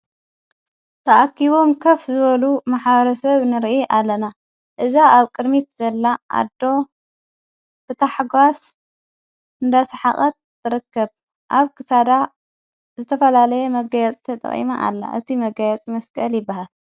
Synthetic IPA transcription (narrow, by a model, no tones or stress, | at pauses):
t̪ʰɐʔakːiβomkʰɐfzɨβɐlumaħbɐɾɐsɐβnɨɾʔiʔalːɐna | ʔɨzaaβkʼɨd̪mit̪̚zɐlːaʔa̰d̪o̞ | b̥ɨt̪ʰaħɡʷas | ɨnd̪asħaχʼɐt̪̚ːɨɾɨkːɐβ | ʔaβkʰɨsad̪a | zɨt̪ʰɐfɐlalɐjɛmɐɡɐjɛt͡sʼt̪ʰɐt̪ʼɐ̰χʼḭmaʔa̰lːa̰ʔɨt̪ʰimɐɡɐjɛt͡sʼmɐskʼɐljɪbːahal